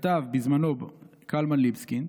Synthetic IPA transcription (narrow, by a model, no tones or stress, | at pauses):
t̪avbizmanob | kʰalmanlibskin